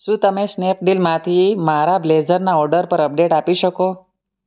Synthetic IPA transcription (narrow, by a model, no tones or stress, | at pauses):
ʃũːt̪əmesnep̚ɖilmãt̪ʰimaɾablezəɾnaɔɾɖəɾpəɾəp̚ɖeʈapiʃəko